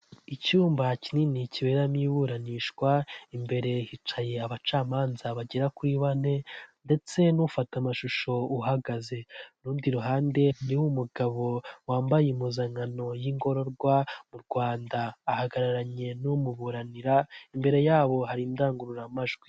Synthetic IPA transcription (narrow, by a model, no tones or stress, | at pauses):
icuːmbacininiciβeɾamiːβuɾaniːʃkwaimbe̞ɾe̞hit͡ʃaje̞aβat͡ʃaːmaːnzaβaɟeɾakwiβane̞nde̞t͡se̞nufatamaʃuʃo̞uɦaɡaze̞nuːndiɾuɦaːnde̞niwumuɡaβo̞waːmbajemuzaŋano̞jiŋɡo̞ɾo̞ɾɡwamuɾɡwaːndaːhaɡaɾaɾaɲe̞numuβuɾaniɾaimbe̞ɾe̞jaːβo̞haɾindaːŋɡuɾuɾamaʒɡwi